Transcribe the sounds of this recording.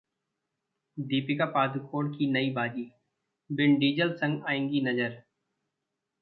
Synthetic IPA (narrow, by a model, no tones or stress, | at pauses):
d̪iːpɪkapaːd̪ukʰoːɽkinɐibaːd͡ʒiː | bɪɳɖiːd͡ʒəlsɐ̃ŋɡaːẽːŋɡinɐd͡ʒəɾ